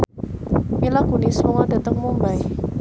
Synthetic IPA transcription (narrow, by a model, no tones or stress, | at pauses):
milaɡ̥ṳnismuŋad̥a̤t̪əŋmumbaj